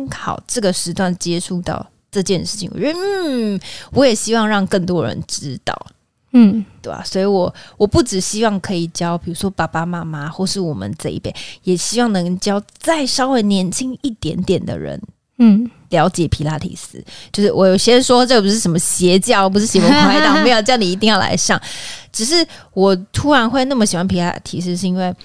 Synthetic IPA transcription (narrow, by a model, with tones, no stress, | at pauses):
nkʰɑ˨˩ʊʈ͡ʂɤ˥˩ɡə˩ʂɻ̩˧˥t̪wa˥˩nt͡ɕjɛ˥ʈ͡ʂʰu˥˧t̪ɑ̰˥˧ʊ | ʈ͡ʂɤ˥˧t͡ɕjɛ˥˧nʂɻ̩˥˩t͡ɕʰḭ˨˦ŋwɔ̰˨˧˩wɔ˧˥jɛ˨˩ɕi˥wɑ˥˧ŋɻɑ˥˧ŋkə˥˩ŋt̪wɔ˦˥ɻə̰˧˦nʈ͡ʂɻ̩˥t̪ɑ̰˥˩ʊ˥˩ | t̪we˥˩a̰˨˩swɔ˧˥i˧˥wɔ˨˩wɔ˨˩pu˥˩ʈ͡ʂɻ̩˨˩ɕi˥wɑ˥˩ŋkʰɤ˧˥i˨˩t͡ɕjɑ˥ʊpi˨˩ɻu˧˥ʂwɔ˥pa˨˩pa˥ma˥ma˦xwɔ˥˧ʂɻ̩˥˩wɔ˨˩mə̰˨˦nt͡sa˥ɪḭ˥˩pjɛ̰˥˩njɛ˨˩ɕi˥wɑ˥˩ŋnɤ˧˥ŋt͡ɕjɑ˥ʊt͡sa˥˩ɪʂɑ˥ʊwe˥˩ɪnjɛ˧˥nt͡ɕʰi˥ŋi˥˩t̪jɛ̰˧˥nt̪jɛ˨˩nd̪ə̰˦ɻə̰˧˦n̩˥˩ | ljɑ˧˥ʊt͡ɕjɛ˨˩pʰi˧˥la˥˩t̪ʰḭ˨˩sɹ̩̰˥t͡ɕjo˥˧ʊʂɻ̩˥˩wʔɔ˧˦jo˨˩ʊɕjɛ˥nʂwɔ˥ʈ͡ʂɤ˥˩ə˩pu˧ʂ̬ɻ̩˥˩ʂə˧˥nmə˧ɕjɛ˧˥t͡ɕjɑ˥˩˨p̬u˧˥ʂɻ̩˥˩ɕjɛ˧˥wə˧˥kʰwa˥˧˥ɪ˥˩˨me˧˥jo˥˧˩t͡ɕjɑ˥ʊni˨˩i˧t̪̬i˥˧jɑ˥˩ʊla̰˧˥ɪʂjɑ˥˩ŋʈ͡ʂɻ̩˨˩ʂ̬ɻ̩˥˩ | wɔ˨˩t̪ʰu˥ɻa˧˥nxwe˥˧ɪna˥˩mə˩ɕi˨˩wa˧˥npʰi˧˥la̰˥˩t̪ʰi˨˩ʂ̬̩˥˧ʂɻ̩˥˧i˥nwe˥˩ɪ